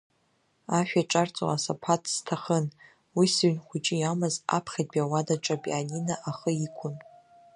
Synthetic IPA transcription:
aʃᶣaʈ͡ʂʼart͡sʷʼo̰asapʰatʰʼz̥tʰaχən | wisɥnχʷʊt͡ʃʼɪjamaza̰pʰχʲad̚bʲawadaʈ͡ʂʼapʼianinaʔaχəikʷʰʊn

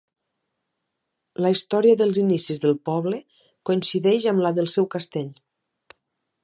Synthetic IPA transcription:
ləist̪ɔɾiəðəlˠzinisizðəlˠpɔβlə | koinsiðɛʒamlaðəlˠsɛwkast̪eʎ

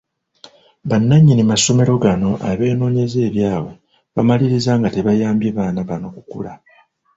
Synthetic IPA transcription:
βanːaɲːinimaso̞me̞ɾo̞ɡano̞ʔaβe̞ːno̞ːɲe̞ze̞ːβjaːwe̞ | βamaliɾizaŋɡate̞βajaːmbjeβaːnaβano̞kukṵla

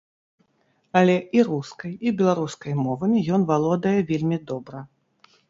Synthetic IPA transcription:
ɐlʲɛiɾuskɐjibʲɛlˠaɾuskɐjmɔvɐmʲijɔnvalˠɔd̪ɐjɛvʲelʲmʲid̪ɔbɾɐ

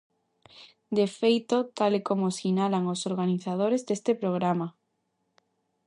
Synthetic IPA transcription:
d̪efejt̪ot̪alekomosinalaŋosoɾɣaniθað̞oɾezðest̪epɾoɣ̞ɾama

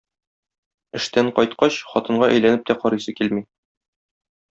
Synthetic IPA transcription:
ɘ̆ʃt̪æɴqɒjt̪̚qɑɕχɒt̪ɤ̆ɴɢɑʔæ̰jlænɘp̚t̪æqɒɾɤsɤkilmi

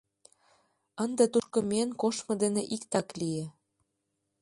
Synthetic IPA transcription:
ənd̪ĕt̪uʃkɤ̆menkoʃmɤ̆d̪eneʔikt̪ɑklie

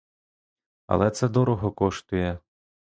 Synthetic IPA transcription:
ɐ̰lˠɛt̪sɛd̪ɔɾɔɦɔkɔʃt̪ʊjɛ

